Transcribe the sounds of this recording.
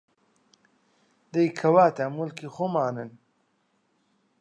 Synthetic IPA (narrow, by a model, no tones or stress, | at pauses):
d̪əjkʰɐwaːt̪amulkixomaːnən